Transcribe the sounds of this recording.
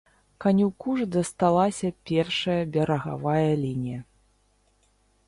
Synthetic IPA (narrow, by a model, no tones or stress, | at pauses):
kanʲiwkuʐd̪ɐst̪alˠasʲɐpʲɛrʂɐjɐbʲɛɾɐɣa̰vajɐlʲinʲijɐ